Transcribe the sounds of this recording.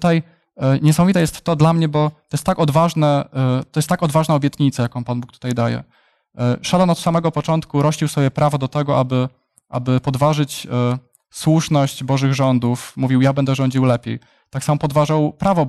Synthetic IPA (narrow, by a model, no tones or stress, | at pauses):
t̪aj | ɲɛs̬amɔvʲit̪ɛjɛst̪ːɔd̪lamɲɛbɔt̪ɔjɛst̪ːakɔd̪vaʐnɛt̪ɔjɛst̪ːakɔd̪vaʐnaɔbʲjɛt̪ɲit̪sajakɔ̃panbukt̪u̥t̪ajd̪ajɛ̰ | ʂad̪anɔt̪samɛɡɔpɔt͡ʂɔnt̪kuɾɔɕliwsɔbʲjɛpɾʔavɔd̪ɔt̪ɛɡɔʔabɘ | ʔa̰bɘpɔd̪vaʐɘt͡ɕ | swuʂnɔɕd͡ʑbɔʐɘɣʐɔnd̪ufmuvʲiwjabɛnd̪ɛʐɔɲd͡ʑiwlɛpʲjḛɛ̰j | t̪aksamɔpɔd̪vaʐawpɾavɔ